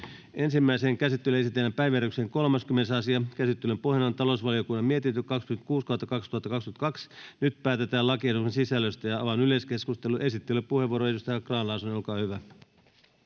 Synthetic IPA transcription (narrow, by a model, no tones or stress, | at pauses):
e̞nsimːæiseŋkæsit̪ːelye̞sit̪ːˑelːæmpæjʋjæɾykseŋko̞lmɑskymːenesɑsiɑkæsit̪ːølømpohjɑnont̪ɑlo̞usʋɑlio̞kunːɑmiet̪int̪ykɑkskyment̪kuːskɑhɑt̪ːɑkɑkst̪uhɑt̪ːɑkɑkskymet̪kɑksnyt̪pæːt̪e̞t̪æːlɑkiesuksensisælːøst̪æjɑɑʋɑnyle̞skeskust̪elːuʔe̞sit̪ːelːypːuhe̞ʋːuoɾoedust̪æjækrɑːnlɑːsunolkɑːhyʋæ